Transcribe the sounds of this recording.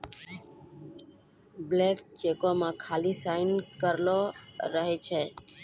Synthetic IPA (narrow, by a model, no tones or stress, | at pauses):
blek̚t͡ʃekomãkʰalisaɪnkəɾloɾəɦɛt͡ʃʰɛ